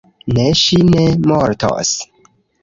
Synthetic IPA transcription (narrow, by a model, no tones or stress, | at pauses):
neʃine̞moɾto̰s